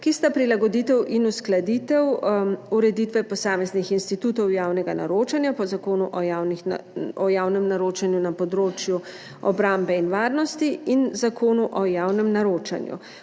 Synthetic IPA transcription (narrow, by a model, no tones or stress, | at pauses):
kist̪apɾilaɡɔd̪it̪ɛwʔinusklad̪iːt̪ɛwuɾɛd̪it̪ʋɛpɔsaːmɛznixinst̪it̪ut̪ɔwjaːwnɛɡana̰ɾoːt͡ʃanjapɔzakoːnuʔɔanɔjaːwnɛmnaɾoːt͡ʃanjunapɔd̪ɾoːt͡ʃju | ɔ̰bɾambɛinʋaːɾnɔst̪iinzakʰoːnuʔɔjaːwnɛmnaɾoːt͡ʃa̰njṵ